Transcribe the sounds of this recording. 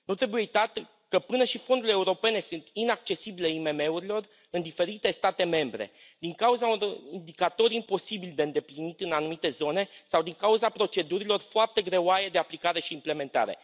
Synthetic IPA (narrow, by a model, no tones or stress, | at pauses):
nut̪ɾe̞bujejit̪at̪ | kəpɨnəʃifo̞nd̪uleuɾo̞pe̞ne̞sunt̪inak̚t͡ʃe̞sibileime̞me̞uɾilo̞r | ɨnd̪ife̞ɾit̪e̞st̪at̪e̞me̞mbɾe̞̰ | d̪iŋkauzaind̪ikat̪o̞ɾimpo̞sibilʲd̪e̞ɨnd̪e̞plinit̪ʲɨnanumit̪e̞zo̞ne̞sawd̪iŋkauzapɾo̞t͡ʃe̞d̪uɾilo̞rfoart̪e̞ɡɾe̞oaje̞d̪e̞aplikaɾe̞ʃiːmple̞me̞nt̪a̰ɾe̞̰